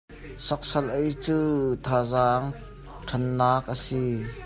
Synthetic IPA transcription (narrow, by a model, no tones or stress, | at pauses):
sɐk̚sɐlʔejt͡suːt̪ʰaːzaːŋ | ʈʰɐnːaːk̚ʔəsi